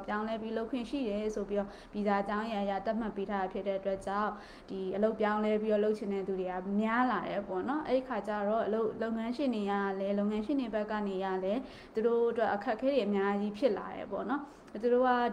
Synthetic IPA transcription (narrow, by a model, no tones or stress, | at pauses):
pjãʊ̃lɛpiloʊkʰwɪ̰̃ʃḭɾɛsopiɾɔ | b̥jizaət͡ɕãʊ̃jãʔja̰t̪aʔm̥aʔpːetʰaɾapʰjɪtːɛʔətwɛt͡ɕãʊ̃ | d̥iʔəloʊpjãʊ̃lɛpiɾɔloʊt͡ɕʰɪ̃nɛd̪uɾeamjalaɾɛpɔnɔʔɛ̰ɹikʰat͡ɕaɹɔʔəloʊʔloʊŋãʃɪ̃ndejalɛloʊŋãʃɪ̃nebɛkːanejalɛ | t̪uɾoʔətwɛʔəkʰɛʔkʰɛɾeʔəmjad͡ʑipʰjɪʔla̰ɾɛ̰pɔ̰nɔ | t̪uɾoa